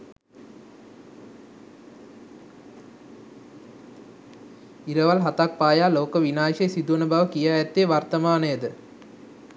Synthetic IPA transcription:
iɾɐʋɐlɦɐt̪ak̚paːjaːloːkəʋinaːʃejsid̪uʋnɐbɐʋəkijaːɛt̪ːeːʋɐrt̪ɐmaːnəjəd̪ə

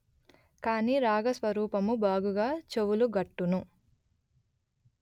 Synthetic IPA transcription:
kaːniːɾaːɡɐsʋɐɾuːpɐmubaːɡuɡaːt͡ʃewuluɡɐʈːunu

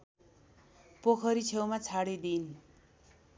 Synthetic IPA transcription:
pokʰʌɾit͡sʰewmat͡sʰaɽid̪in

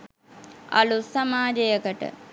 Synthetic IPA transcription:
a̰lusamaːd͡ʒejəkəʈə̰

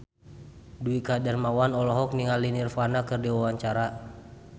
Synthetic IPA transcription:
duikadɛrmawanɔlɔɦɔk̚niŋalinirfanakɨrdiwawaɲt͡ʃaɾa

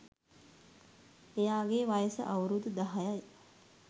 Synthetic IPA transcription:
ejaːɡeːʋajəsə̰ʔawɾud̪ud̪aɦajaj

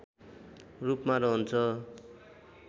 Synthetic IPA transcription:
rupmaɾʌɦunt͡sʰʌ

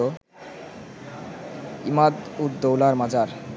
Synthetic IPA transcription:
o | imad̪ut̪d̪owlaɾmad͡ʑaɾ

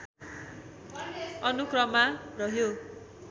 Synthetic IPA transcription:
ʌnukrʌmarʌɦjo

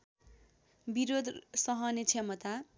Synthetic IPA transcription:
biɾod̪ʱsʌɦʌnet͡sʰemʌt̪a

